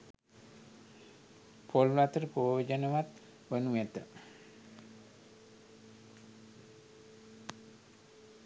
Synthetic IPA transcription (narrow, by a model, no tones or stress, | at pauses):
pʰollat̪əɾəpojod͡ʒənəʋat̪ | ʋənuɛt̪ə